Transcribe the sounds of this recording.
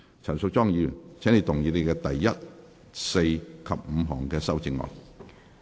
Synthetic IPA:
t͡sʰɐ˨˩nsʊ˨k̚t͡sɔː˥ŋjyː˨˧t͡sʰɛː˨˥ne˨˧jt̪ʰʊ˨˩ŋjiː˨˧ne˨˧jkɛː˧t̪ɐ˨jːɐ˥t̚ | se˧jkʰɐ˨p̚m̩˨˧ɦɔː˨˩ŋkɛː˧sɐ˥wt͡sɪ˧ŋːɔ̰ː˨j

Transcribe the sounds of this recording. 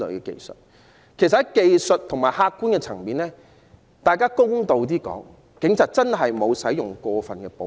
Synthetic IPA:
ɵ̰˨˥kɛː˧kḛ˧jsə̰˨t̚ | kʰe˨˩sɐ˨hɐ˨˦jke˧jsɵ˨t̚t̪ʰʊ˨˩ŋmaː˨˩jhaː˧kːuː˥nkɛː˧t͡sʰɐ˨˩ŋpiː˨nlɛː˥ | t̪aː˨jkaː˥kʊ˥ŋt̪o˧wt̪iː˥kɔ̰ː˨˥ŋ | kɪ˨˥ŋt͡sʰaː˨t̚t͡sɐ˥nɦɐ˨jmo˨˧wsɐ˨˥jʊ˨˩ŋkʷɔː˧fɐ˨nkɛː˧po˨˧

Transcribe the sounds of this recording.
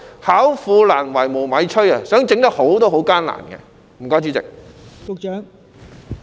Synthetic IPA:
haː˨˥wfuː˧laː˨˩nwɐ˨˩jmo˨˩wmɐ˨˧jt͡ʃʰɵ˥ɥɐ˨sœː˨˥ŋt͡sɪ˨˧˥ŋt̪ɐ˥ho˨˥wt̪ɔː˥ɦo˨˥wkaː˥nla̰ː˨˩nkɛ̰˧ | m̩˨˩kɔː˧˥t͡siː˧˩t͡sɪ̰˨k̚kʊ˨k̚t͡ʃœː˨˥ŋ

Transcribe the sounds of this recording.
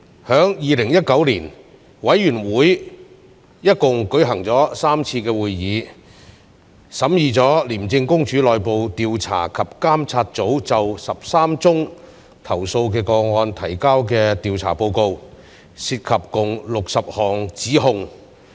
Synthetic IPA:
hœː˨˥ŋjiː˨˧lɪ˨˩ŋjɐ˥t̚kɐ˨˥wliː˨˩n | wɐ˨˥jːyː˨˩nwuː˨˥j | jɐ˥t̚kʊ˨ŋkɵ˨˥jɦɐ˨˩ŋt͡sɔː˨˥saː˥mt͡sʰiː˧kɛː˧wuː˨jːiː˨˧ | sɐ˨˥mjiː˨˧t͡sɔː˨˥liː˨˩mt͡sɪ˧ŋkʊ˥ŋt͡ʃʰyː˨˥lɔː˨jpo˨˧wt̪iː˨wt͡sʰa̰ː˨˩kʰɐ˨p̚kaː˥mt͡sʰaː˧t̚t͡so˨˥wt͡sɐ˨wsɐ˨p̚saː˥mt͡sʊ˥ŋ | t̪ʰɐ˨˩wso˧wkɛː˧kɔː˧ŋɔː˧nt̪ʰɐ˨˩jkaː˥wkɛː˧t̪iː˨wt͡sʰa̰ː˨˩po˧wko˧w | si˧t̚kʰɐ˨p̚kʊ˨ŋlʊ˨k̚sɐ˨p̚hɔː˨˩ŋt͡siː˨˥ɦʊ˨ŋ

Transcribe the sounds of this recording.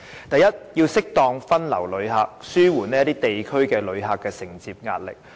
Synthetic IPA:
t̪ɐ˨jɐ˥t̚jiː˧wsɪ˥k̚t̪ɔː˧ŋfɐ˥nlɐ̰˨˩wlɵ˨˧ɥɦaː˧k̚syː˥wuː˨˩nɛː˥jɐ˥t̪iː˥t̪e˨jkʰɵ˥ɥkɛː˧lɵ˨˧ɥɦaː˧kːɛː˧sɪ˨˩ŋt͡siː˧p̚ŋaː˧t̚lɪ̰˨k̚

